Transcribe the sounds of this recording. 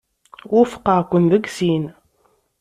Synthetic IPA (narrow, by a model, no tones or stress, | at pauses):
ʊfqːəʁkʷːənðəɡsin